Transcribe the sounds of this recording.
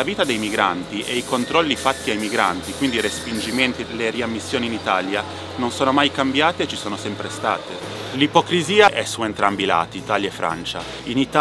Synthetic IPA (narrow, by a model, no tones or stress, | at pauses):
aviːt̪ad̪ejmiɡɾa̰nt̪iʔeikont̪ɾɔlːifat̪ːiajmiɡɾa̰nt̪ikwind̪irespind͡ʒiment̪ileriamːisːjoːniːnit̪aːlja | nonsoːnomajkambjaːt̪eːt͡ʃːisoːnosɛmpɾest̪a̰ːt̪e | lipokɾiziːaʔɛsːuent̪ɾambila̰ːt̪iːt̪aːljaefːɾa̰nt͡ʃa̰ | init̪a